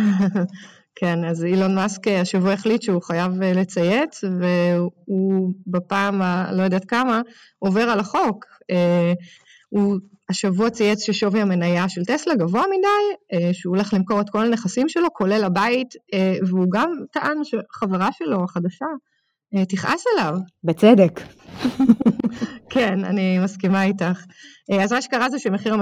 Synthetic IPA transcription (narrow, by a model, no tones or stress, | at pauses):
kʰe̞nazilo̞nmaskeaʃavuaeχlitʃeuχajavele̞t͡sajet͡sveubapaːmalo̞jod̪at̪kama | o̞ve̞ʁalaχo̞k | e | uaʃavuat͡sajet͡sʃeʃo̞viame̞najaʃe̞lt̪eslaɡavoamidajeʃeole̞χlimko̞ʁet̪ko̞lane̞χasimʃe̞lo̞kʰo̞le̞labaiteveuɡamt̪aʔanʃeχaveʁaʃe̞lo̞aχadaʃa | etiχʔa̰selavbet͡sed̪ek | kʰena̰nimaskimaitaχazmaʃekaʁazoʃemeχiʁa